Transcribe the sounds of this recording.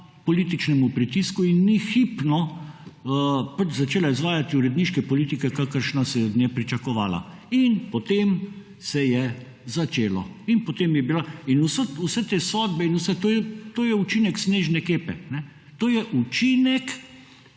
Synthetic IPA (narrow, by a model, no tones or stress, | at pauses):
pɔlit̪̬it͡ʃnɛmupɾit̪iskuinːixipnɔ | pat͡ʃzat͡ʃeːlaizʋaːjat̪iuɾɛd̪niʃkɛpɔliːt̪ikɛkakəɾʃnasɛjɛɔd̪nʲjɛpɾit͡ʃakɔʋaːla̰ | inpɔt̪em | sɛjɛ | zat͡ʃeːlɔ̰inpɔt̪emjɛbilainususɛt̪eːsɔːd̪bɛinusɛt̪oːjɛt̪oːjɛut͡ʃinɛksneːʒnɛkeːpɛnɛ | t̪oːjɛʔut͡ʃinɛk